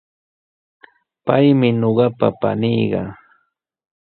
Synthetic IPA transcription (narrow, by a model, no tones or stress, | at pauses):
pajmɪɲoɢɑpa̰pa̰nɪjɢɑ̰